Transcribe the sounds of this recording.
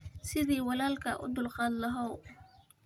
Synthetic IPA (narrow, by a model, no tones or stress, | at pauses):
sɪðiːwɑlaːlkʰɐʔʊ̰d̪ʊlqɑːd̪lɐɦɔw